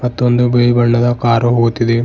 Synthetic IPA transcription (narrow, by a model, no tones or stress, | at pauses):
pɐt̪ːond̪ubejbɐɳːɐd̪ɐkaːɾuɦoːt̪ːid̪i